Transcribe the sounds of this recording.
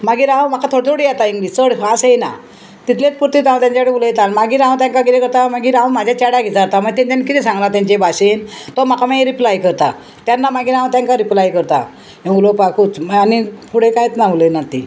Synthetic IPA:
maɡiɾãm̤akat̪ʰoɽit̪ʰoɽijat̪aiŋɡliːst͡səɽfasejna̰ | t̪it̪ʰlet͡spuɾt̪it̪ãw̃t̪jãɲt͡ɕaɽebulejt̪anmaɡiːɾãt̪̬jãŋkaɡiɾekəɾt̪amaɡiɾãmad͡ʑʱjat͡ɕaɽaɡʱit͡saɾt̪aməɡt̪et̪janːkit̪isãŋɡlat̪aɲt͡ɕebʱaɕent̪ɔm̤akamãɾiplajkəɾt̪a̰ | t̪janːamaɡiːɾãt̪jaŋkaɾiplajkəɾt̪a̰ | ẽulopakuːt͡smanipuɽ̤ekajt͡s̪naʋulenat̪ḭ

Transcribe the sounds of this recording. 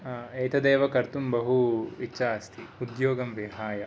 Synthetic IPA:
ɐjt̪ɐd̪eːʋɐkɐɾt̪umbɐɦuitːʃaɐst̪ʰiud̪joːɡɐmʋiɦaːjɐ

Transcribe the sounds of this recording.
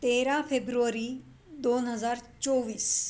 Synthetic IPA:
t̪eːɾãːpʰeːbɾuɾiː | d̪oːnɦəzaːɾt͡ʃɔːʋiːs

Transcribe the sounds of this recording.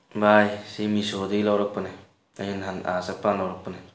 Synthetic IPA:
bajsimisodilawɾɔk̚pɯnaj | ajɯnɦanasak̚panlawɾɔk̚pɯnaj

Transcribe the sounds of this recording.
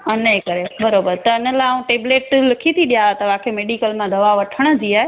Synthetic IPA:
ɐnekɐɾebɐɾoːbəɾt̪ɐɪnə̆lãũʈeːbleːʈlɪkʰit̪ʰiɗijat̪ɐʋaːkʰemeːɖikəlmãd̪ɐʋaʋɐʈʰəɽ̃ə̆d͡ʑiaːɦe

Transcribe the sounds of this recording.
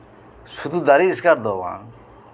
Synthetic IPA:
sud̪ud̪aɾiːskaɾd̪ɔwã̰

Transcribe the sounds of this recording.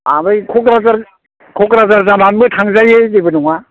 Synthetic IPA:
a̰bɯjkʰɔkɾazaɾ | kʰɔkɾazaɾzananbɯtʰaŋzajezebɯnɔŋa

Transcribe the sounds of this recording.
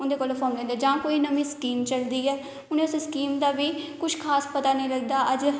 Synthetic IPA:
ʊnd̪eːkoːlfʰɔːmlɛ̃ːnd̪ɛːd͡ʒãːkoːiːnəmĩːskiːmt͡ʃəld̪iːɛː | ʊnẽʊsskiːmd̪aːʋiːkʊʃʰkʰaːspət̪aːnəĩːləɡd̪aːʔəd͡ʒ

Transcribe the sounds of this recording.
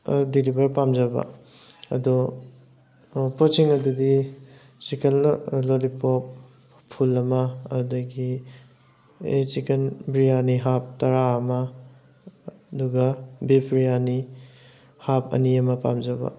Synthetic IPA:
dilibʱɐɾpamd͡ʒɐbɐ̰ | ɐ̰du | pot͡ʃiŋɐdudi | t͡ʃikenlolipop̚ | pʰːulɐmɐɐdɐɡi | et͡ʃikenbɾijaniɦap̚tɐɾaːmɐ | duɡɐbepʰɾijani | hapʰɐ̰niɐmɐpa̰md͡ʒɐbɐ̰

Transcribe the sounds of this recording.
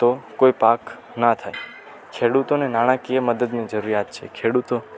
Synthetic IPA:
t̪okoipak | nat̪ʰaj | kʰeɽut̪onenaɽ̃ãkijeməd̪əd̪nid͡ʒəɾuɾijat̪t͡ʃʰḛkʰeɽut̪o

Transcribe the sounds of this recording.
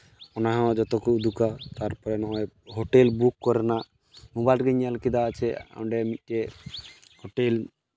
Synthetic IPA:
ɔnaɦɛ̃d͡ʒɔt̪ɔkud̪ukat̪aɾpɔɾɛnɔjɦoʈelbukːɔɾɛnaʔ | mobajlʈɡɛɲalkid̪aːt͡ʃʰɛa̰wɳɖɛmit̪̚ˀtɛ | hoʈel

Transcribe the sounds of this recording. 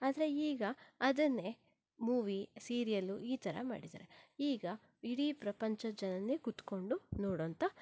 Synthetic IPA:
aːd̪ɐɾe̞iːɡɐɐd̪ɐnːe̞ | muːʋisiːɾijɐlːuiːt̪ʰɐɾɐ̰ma̰ːɽid̪a̰ːɾeiːɡɐ | iɽipɾɐpɐɲt͡ʃɐd͡ʒɐnɐnːeɡut̪ko̞ɳɖunoːɽoːnt̪ɐ

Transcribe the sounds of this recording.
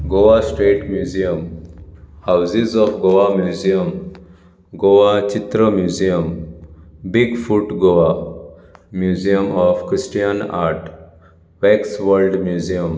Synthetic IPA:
ɡoʋasʈɾeʈmjuzijəm | hawzizɔfɡoamjuzijəm | ɡoʋat͡ʃit̪ɾəmjuːzijəm | biɡfuʈɡoʋa | mjuziəmɔfkɾisʈijəna̰ɾʈ | ʋeksʋəɾlɖmjuzijəm

